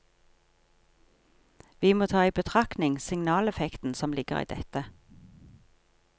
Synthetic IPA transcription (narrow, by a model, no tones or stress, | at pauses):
ʋiːmoːt̪ʰɑːiːbət̪ʰʁɑknɪŋsɪŋnɑːlɛfɛkt̪n̩sɔmlɪɡə̰ʁḭːd̪ɛ̰t̪ə